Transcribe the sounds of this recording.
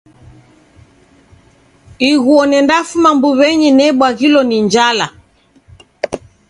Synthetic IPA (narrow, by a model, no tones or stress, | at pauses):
iɣuɔnɛndafumambuβɛɲɛnɛɓwaɣilɔniɲd͡ʒala